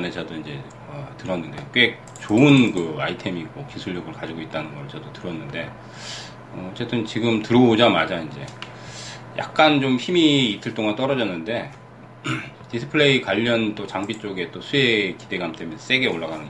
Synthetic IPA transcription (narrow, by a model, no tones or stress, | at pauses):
ned͡ʑʰʌdoind͡ʑe̞ | ʌtɯɾʌnːɯnde̞k͈wek̚ | t͡ɕoɯnkɯaitʰe̞miːk͈okisʰuɭːʌɡɯɭkad͡ʑiɡoit̚t͈anɯnɡʌɾɯɭt͡ɕʌdotɯɾʌnːɯnde̞ | ʌʌt͡ɕ͈ʰe̞t͈ɯnt͡ɕiɡɯmtɯɾʌod͡ʑamad͡ʑaind͡ʑe̞̰ | ja̰k̚k͈ant͡ɕomçimiːtʰɯɭt͈oŋant͈ʌɾʌd͡ʑʌnːɯnde̞ | tisʰɯ̥pʰɯɭeikwaʎːʌnt͈ot͡ɕaŋbit͡ɕ͈oɡe̞t͈osʰue̞kide̞ɡaɦamt͈emjʌnʰʌs͈e̞ɡe̞oɭːaɡanɯn